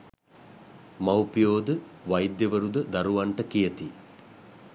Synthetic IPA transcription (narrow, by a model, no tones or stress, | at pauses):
mɐwpijoːd̪əʋɐjd̪jɐʋəɾud̪əd̪ɐɾuʋɐɳʈəkijət̪i